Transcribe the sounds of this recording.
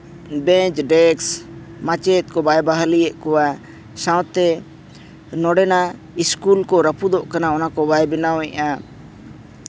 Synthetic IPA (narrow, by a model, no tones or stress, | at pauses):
bɛ̃t͡ʃɖɛks | mãt͡ʃɛt̪̚ˀkɔbajbaɦaliɛʔkɔwa | sãw̃t̪ɛ | nɔɖɛna | iskulkɔɾəpud̪ɔʔkanaɔnakɔbajbɛnawɛʔa